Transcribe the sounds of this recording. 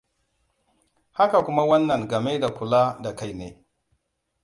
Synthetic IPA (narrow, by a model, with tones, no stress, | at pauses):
ha˦ka˨kʷʊ˦ma˦wɐ˦nːɐ˨ŋɡɐ˨me˦da˨kʷʊ˨la˦da˨ka˦jnḛː˨